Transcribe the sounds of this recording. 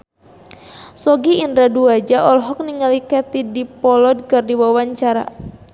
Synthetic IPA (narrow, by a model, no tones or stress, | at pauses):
sɔɡiindɾaduad͡ʒaʔɔlɦɔk̚niŋalikɛt̪idipɔlɔd̚kɨrdiwawaɲt͡ʃaɾa̰